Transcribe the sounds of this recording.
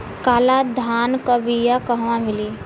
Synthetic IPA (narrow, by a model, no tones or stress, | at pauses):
kaːlad̪ʱaːnkabʱijakəɦʋãmɪliː